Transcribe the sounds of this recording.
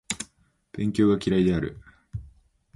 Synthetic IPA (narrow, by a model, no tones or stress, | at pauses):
b̥ẽ̞ŋkʲo̞ːɡakʲiɾaid̪e̞aɾɯ̟̰